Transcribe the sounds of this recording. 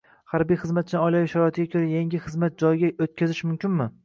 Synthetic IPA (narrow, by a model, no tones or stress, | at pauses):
haɾbijχɨzmat̪̚t͡ʃʰɪnɪɒjlajɪʃaɾɒɪt̪ʰɪɡʲakʲʰɵɾajaŋɡʲɪχɨzmat̪̚d͡ʒɒjɪɡʲaot̪̚kʲʰazɪʃmʊmkʲɪnmɪ